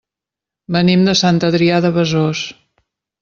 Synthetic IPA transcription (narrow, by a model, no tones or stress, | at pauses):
bənimd̪əsant̪əðɾiaðəβəzos